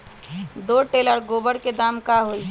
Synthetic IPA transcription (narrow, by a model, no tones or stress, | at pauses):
d̪oʈeləɾɡoːbəɽked̪aːmkaɦoi